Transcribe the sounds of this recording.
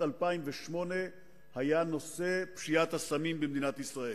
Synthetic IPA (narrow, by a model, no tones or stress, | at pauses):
alpaimveʃmo̞ne | hajano̞sepʃijat̪hasamimbemd̪inat̪isʁaʔe